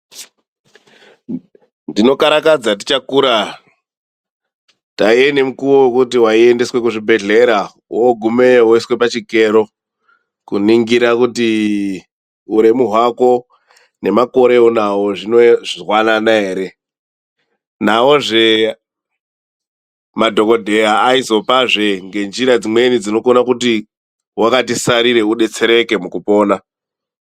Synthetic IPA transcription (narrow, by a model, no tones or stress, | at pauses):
ndino̞kaɾakad͡zati̥t͡ʃakuːɾa | taiene̞mukuwowekutiwaie̞ndeswe̞kuʐibʱe̞ɮe̞ɾa | woɡʱumeɦoiswe̞pat͡ʃike̞ɾo̞ | kuniŋɡiɾakuti | uɾe̞muɦwako̞ | ne̞mako̞ɾe̞onawo̞ʐinoʐirwananae̞ːɾe̞ | nao̞ʐe̞ | madʱo̞ko̞dʱe̞jaːizo̞paʐe̞ŋɡe̞nd͡ʒiɾad͡zimwe̞nid͡zino̞konakuti | wakatisaɾiɾe̞uɗe̞t͡se̞ɾe̞ke̞mukupo̞ːna